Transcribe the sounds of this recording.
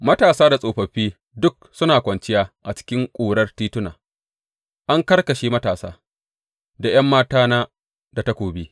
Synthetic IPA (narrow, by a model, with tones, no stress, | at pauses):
mɐ˦taː˨saː˦da˨sʼoː˨ɸɐ˨ɸiː˦ | dʊ˦k̚sʊ˦naː˨kʷɐ˨nt͡ʃɪ˦jaː˦ʔa˨t͡ʃɪ̥˦kʲɪ˦ŋkʷʼuː˨ɽɐ˦rtiː˦tʊ˦na̰ː˨ | ʔa˦ŋkɐ˦rkɐ˨ʃeː˦mɐ˦taː˨sa̰ː˦ | da˨j̰ɐ˦mːaː˦taː˦naː˦ | da˨ta˦kʷoː˨biː˦